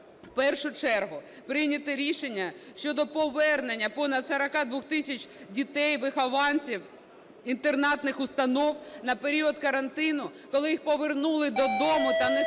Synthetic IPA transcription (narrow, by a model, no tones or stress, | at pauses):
wpɛrʃʊt͡ʃɛrɦʊ | pɾɪjnʲɐt̪ɪɾʲiʃenʲːɐʃt͡ʃɔd̪ɔpɔʋɛrne̞nʲːɐpɔnɐd̪sɐɾɐkɑd̪ʋɔxt̪ɪsʲɐt͡ʃʲdʲit̪ɛjʋɪxɐʋɑnʲsʲiw | int̪ernɑt̪nɪxʊst̪ɐnɔwnɐpeɾʲiɔd̪kɐɾɐnt̪ɪnʊkɔlˠɪjixpɔʋernulˠɪd̪ɔd̪ɔmʊt̪ɐnɛ